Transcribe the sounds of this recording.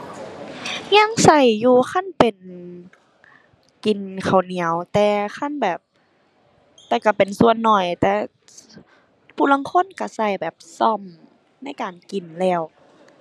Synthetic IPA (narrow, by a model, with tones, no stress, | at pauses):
ɲa˧˥˨ŋsa˧˩jːuː˧xʰa˧˥˨npe˨n | ki˨˩nkʰa˨˩wni˨˩˦ə˦wt̪ɛː˧xʰa˧˥˨nbɛː˨˩p̚ | t̪ɛː˧˩ka˧˩pe˨nsu˧ənːɔ˨˩jt̪ɛː˧˩ | pʰuː˧˩la˧˥˨ŋkʰo˧˥˨nka˧˩sa˧˩jbɛː˨˩p̚sɔ˧˩˨m | na˧˥˨jkaː˨˩nki˨˩nlɛː˧˩w